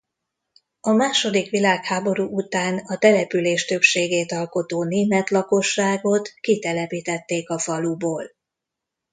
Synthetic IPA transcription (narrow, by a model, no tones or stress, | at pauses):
ɒmaːʃo̞d̪ikʋilaːkhaːbo̞ɾuːʔut̪aːnɒt̪ɛlɛpyleːʃt̪ø̞pʃeːɡeːt̪ɒlko̞t̪oːneːmɛt̪lɒko̞ʃːaːɡo̞t̪kit̪ɛlɛpiːt̪ɛt̪ːeːkɒfɒluboːl